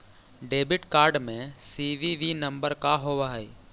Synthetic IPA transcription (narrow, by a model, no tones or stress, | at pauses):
ɖeːbɪʈkaːɾɖmẽsiʋiʋinɐ̃mbəɾkaɦoːʋaɦɛ